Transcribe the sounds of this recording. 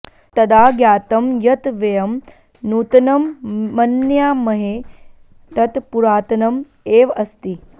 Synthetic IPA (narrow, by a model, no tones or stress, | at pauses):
t̪ɐd̪aːɡjaːt̪ɐmjɐt̪ʋɐjɐm | nuːt̪ɐnɐmːɐnjaːmɐɦe | t̪ɐt̪puɾaːt̪ɐnɐm | eːʋɐst̪i